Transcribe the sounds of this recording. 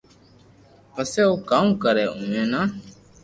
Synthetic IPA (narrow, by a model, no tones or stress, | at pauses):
pəseːoːkaːũːkəɾɛːũːẽːnaː